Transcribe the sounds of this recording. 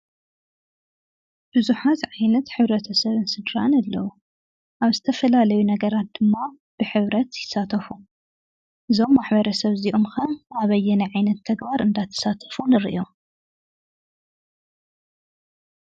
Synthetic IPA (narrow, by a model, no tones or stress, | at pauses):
b̥ɨzuħat̪ʕajnɐt̪ħɨβɾɐt̪ʰɐsɐβɨnsɨd̪ɾanɐlːɐwu | ʔaβzɨt̪ʰɐfɐlalɐjunɐɡɐɾat̪̚d̪̥ɨmːa | b̥ɨħɨβɾɐt̪jɪsːat̪ʰɐfu | ʔɨzo̞mːaħbɐɾɐsɐβziʔomxɐʔaβɐjːɛnɐʕajnɐt̪ʰːɐɡbaɾɨnd̪at̪ʰːɐ̥sat̪ʰɐ̥funɨɾḭʔo̞